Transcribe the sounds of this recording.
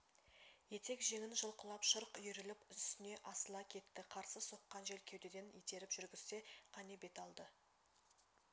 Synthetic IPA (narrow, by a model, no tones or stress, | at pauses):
je̞t̪e̞kʒe̞ŋʲɪnʒəlˠqəlˠɑpʃəɾqʏjɪɾɪlɪpʏst̪ɪne̞ʔɑsəlˠɑkʲʰe̞t̪ːɪqʰɑɾsəso̞qːɑnʒe̞lkʲʰe̞wd̪e̞d̪enet̪e̞ɾɪpʒʏɾɡʲɪz̥st̪e̞qʰɑne̞be̞t̪ɑlˠd̪ə